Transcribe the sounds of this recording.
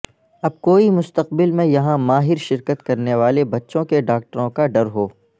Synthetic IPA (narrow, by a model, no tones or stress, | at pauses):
ɐb̚koːimʊst̪əqbɪlmẽjɐɦãmaːɦɪɾʃɪɾkət̪kɐɾneʋaːlebɐtːʃõkeɖaːk̚ʈəɾõkaɖɐɾɦoː